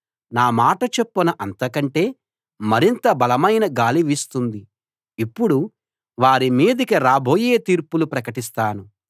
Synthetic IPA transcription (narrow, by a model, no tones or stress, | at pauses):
naːmaːʈɐt͡ʃepːunɐʔɐnt̪ɐkɐɳʈe̞ː | mɐɾint̪ɐbɐlɐmɐjnɐɡaːliʋist̪und̪i | ipːuɽu | ʋaːɾimiːd̪ikiɾaːbʱoːjeːt̪iːɾpulupɾɐkɐʈist̪aːnu